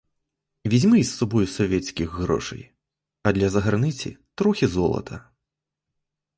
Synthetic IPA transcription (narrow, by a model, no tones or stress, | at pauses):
vʲid͡zʲmɨsːɔbɔjusɔvʲɛt̪sʲkʲiɣɣɾɔ̰ʂɐ̰j | ɐd̪lʲɐzɐɣɐrnɨt͡sʲḭt̪ɾɔxʲizɔlˠɐ̰t̪ʰɐ